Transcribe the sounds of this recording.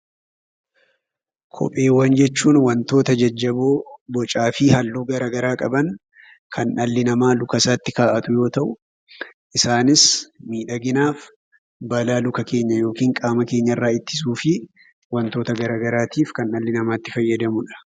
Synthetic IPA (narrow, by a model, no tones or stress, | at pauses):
kʰɔ̰pʼe̞ːwːɐnd͡ʒɛt͡ʃːuːnwɐnt̪o̞ːt̪ɐd͡ʒɐd͡ʒːɐboːbɔt͡ʃʼaːfɪhɐlːuːɡɐɾaːɡɐɾaːkʼɐbɐn | kʰɐnʔɐlːɪnɐmaːlʊkɐsaːt̪ːɪkaːʔɐt̪ʊjo̞ːt̪ɐʔʊ | ʔɪsaːnɪsmiːᶑɐɡɪnaːf | bɐlaːlʊkɐke̞ːɲːɐjo̞ːkiːŋkʼaːmɐke̞ːɲːɐɪrːaːɪt̪ːɪ̥s̬uːfɪ | wɐnt̪oːt̪ɐɡɐɾaːɡɐɾaːt̪iːfkɐnːɐlːɪnɐmaːt̪ːɪfɐjːɐd̪ɐmʊᶑɐ̥